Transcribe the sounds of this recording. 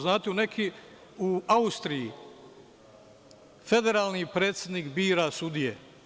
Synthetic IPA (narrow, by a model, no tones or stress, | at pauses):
znaːt̪eune̞kʰi | uaust̪ɾiji | fe̞d̪e̞ɾaːlˠnipɾe̞ːt̪sʲjed̪niːkbiːɾasud̪ije